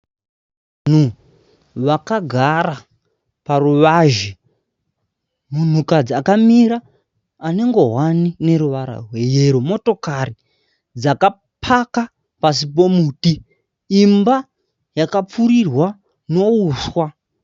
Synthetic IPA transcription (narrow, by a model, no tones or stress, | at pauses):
n̤u | ʋakaɡʱaɾa | paruʋaʒe | mun̤ukad͡ziakamiɾaː | ne̞ŋɡo̞ɦwanine̞ɾuʋaɾa̰rwe̞je̞ɾumo̞to̞kari | d͡zaka | pʰaka | pasip̬o̞muːtiː | mba | jakap͡fuɾirwa | no̞uswa